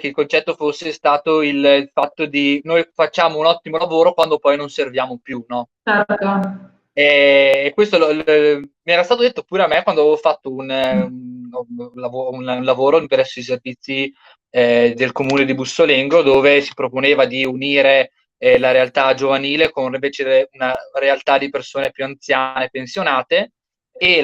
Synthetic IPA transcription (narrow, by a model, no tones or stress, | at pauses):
keilkont͡ʃɛt̪ːofosːest̪aːt̪oillfat̪ːod̪inojfat͡ʃːaːmounɔt̪ːimolavoːɾokwand̪opɔjnonservjaːmopjunɔ | ɛo | ɛːkwest̪olo | miɛːɾast̪aːt̪od̪et̪ːopuːɾeamːekwand̪oavevofat̪ːoun | lavounnlavoːɾoimped̪ɛsːois̬ervit̪sːi | d̪elkomuːned̪ibusoleŋɡod̪oːvesi̥pɾoponeːvad̪iuniːɾe | laɾealt̪ad͡ʒovaniːlekoniveːt͡ʃed̪ɾeunarealt̪ad̪ipersoːnepjuant̪sjanepensjonaːt̪eː